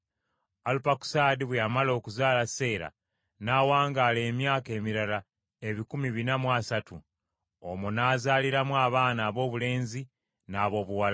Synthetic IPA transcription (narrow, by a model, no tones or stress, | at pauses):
alupaku̥saːdiβwejamalo̞ːkuzaːlase̞ːɾa̰ | nawaːŋɡaːle̞ːmjaːke̞ːmiɾala | e̞βikumiβinamwaːsatu | omunaːzaːliɾamwaːβaːnaːβo̞ːβule̞ːnzi | naːβo̞ːβuwala